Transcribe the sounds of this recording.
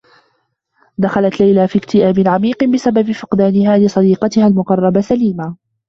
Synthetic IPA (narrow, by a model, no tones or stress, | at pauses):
d̪axalat̪lajlafiːkt̪ɪʔaːbɪnʕamiːqɨnbɪsababfɪqd̪aːnɪhaːlɪsˤɑd̪iːqɑt̪ɪhalmʊqɑrˤːɑbasaliːmaː